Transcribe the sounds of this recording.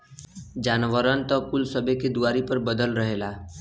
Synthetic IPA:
d͡ʒaːnʋəɾənt̪ɔkʊlsəbʱeked̪uaːɾipəɾbəd̪əlɾəɦeːlaː

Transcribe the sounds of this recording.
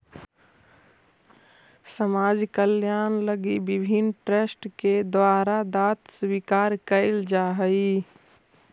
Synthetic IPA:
səmaːd͡ʒkəljaːnləɡibɪbʱinʈɾesʈked̪waːɾad̪aːt̪swikaːɾkəɪld͡ʒaːɦəi

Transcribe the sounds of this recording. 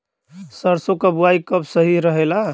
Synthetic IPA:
səɾsokəbuaikəbsəɦiɾəɦela

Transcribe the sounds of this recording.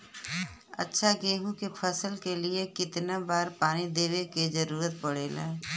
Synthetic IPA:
ɐ̰tːʃʰaɡeːɦũkepʰəsəlkeliekɪt̪nabaːɾpaːnid̪eːʋeked͡ʒɐɾuːɾət̪̚pɐɽeːlãː

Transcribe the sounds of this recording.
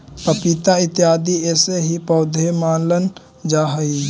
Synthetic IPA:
pəpit̪aɪt̪jaːd̪iɛːseɦipɔːd̪ʱemaːnlən | d͡ʒaːɦəi

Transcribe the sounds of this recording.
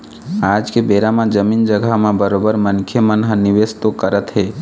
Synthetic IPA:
ad͡ʒkebeɾamãd͡ʒəmind͡ʒəɡʱamãbəɾobəɾmənkʰjəmənɦənɪʋest̪okəɾət̪ɦe

